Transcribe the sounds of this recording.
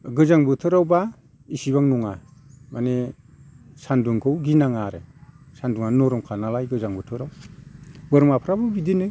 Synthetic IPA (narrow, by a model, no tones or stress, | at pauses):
ɡɯzaŋbɯtʰɯɾawba | isiβaŋnɔŋa | mane | sanduŋkʰɯwɡinaŋaɾɯ | sanduŋanɔɾɔmkʰanalajɡɯzaŋbɯtʰɯɾaw | bɯɾmapʰɾabɯbidinɯ